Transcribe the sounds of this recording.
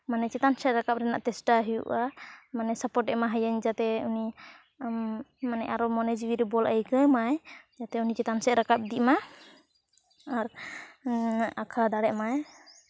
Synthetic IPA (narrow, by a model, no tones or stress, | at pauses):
manɛt͡ʃɛt̪ansɛt̪̚ɾakap̚ɾɛna̰ʔt̪ɛsʈaɦijṵʔamanɛsapɔʈɛmaɦəjəɲd͡ʒat̪ɛuni | manɛʔaɾɔmɔnɛd͡ʒwiɾɛbɔlʔəjkəmajd͡ʒat̪ɛunit͡ʃɛt̪ansɛt̪ɾakap̚d̪iʔma | aɾ | akʰad̪aɽɛʔmaj